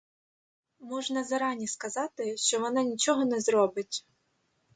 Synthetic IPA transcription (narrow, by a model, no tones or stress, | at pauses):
mɔʒnɐzɐɾɑnʲiskɐzɑt̪ɪʃt͡ʃɔʋɔnɑnʲit͡ʃɔɦɔnɛzɾɔbɪtʲ